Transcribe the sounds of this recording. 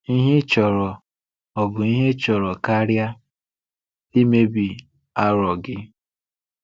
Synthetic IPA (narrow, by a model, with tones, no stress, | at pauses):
i˦ɦe˦t͡ʃɔ˨ɾɔ˨ | ɔ˨bʊ˨i˦ɦe˦t͡ʃɔ˨ɾɔ˨ka˦ɾja˦ | di˦me˦bi˨ | a˦ɾɔ˨ɡɪ˦